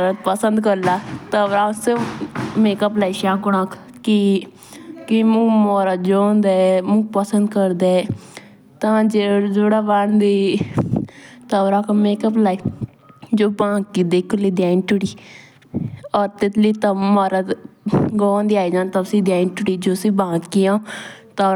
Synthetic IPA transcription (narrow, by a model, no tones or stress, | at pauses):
ɾət̪̚pəsənd̪kəɾlaːt̪əʋɾaːsemeːkəp̬laːiʃaːɡʊnãːkʰ | ki | kimũːmoːɾət̪̚d͡ʒoːnd̪aɛmũːpəsənd̪kəɾd̪eː | t̪ãːd͡ʒed͡ʒoːɽaːʋaɳd̪iː | t̪aːʋɾaːkmeːkəp̬laːi | d͡ʒoːbãːɡkid̪eːkʰːʊliːd̪jaːinʈʊɽiː | ɔːɾt̪ɪt̪liːt̪amaːɾat̪ɡõːnd̪iːaːid͡ʒãːnt̪asĩːd̪jaːinʈʊɽiːd͡ʒoːsĩːbãːɡijãːt̪aːɾ